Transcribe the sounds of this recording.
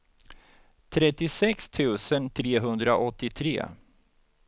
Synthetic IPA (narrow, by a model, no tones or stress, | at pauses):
t̪ʰɾɛt̪ːɪsɛkst̪ʰʉ̟ːsənt̪ʰɾeːɦɵnd̪ɾaʔɔt̪ːɪt̪ʰɾḛː